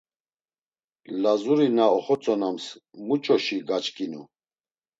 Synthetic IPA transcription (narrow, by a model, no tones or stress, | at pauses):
lazuɾinaɔχɔt͡sʼɔnamsmut͡ʃʼɔʃiɡat͡ʃʼkʼinu